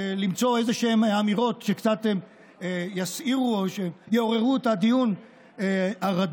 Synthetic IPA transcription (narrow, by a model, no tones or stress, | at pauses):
limt͡so̞e̞zeʃeemamiʁo̞tʃekt͡sat̪em | jasiʁuoʃejeoʁe̞ʁuet̪ad̪ijun | aʁad